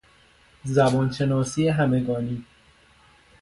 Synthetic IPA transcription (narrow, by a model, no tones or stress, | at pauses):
zæbɒːnʃenɒːsiːeɦæmeɡɒːniː